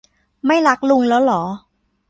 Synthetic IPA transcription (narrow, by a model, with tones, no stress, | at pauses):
ma˥˩jɾa˦˥k̚lu˧ŋlɛː˦˥wlɔː˩˦